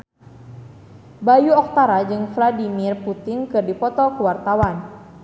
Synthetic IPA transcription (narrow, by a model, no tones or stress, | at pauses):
bajuɔk̚t̪aɾad͡ʒɨŋfladimirput̪ɪŋkɨrdipɔt̪ɔkuwart̪awan